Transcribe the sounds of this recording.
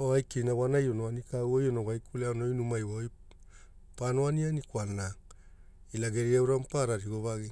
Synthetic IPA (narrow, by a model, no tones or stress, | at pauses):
oajkejnawanajonoanikauojonoɡajkʰuleanojnumajwaoj | panoanianikwanːa | ilaɡe̞ɾiawɾampaɾaɾiɡoβaɡi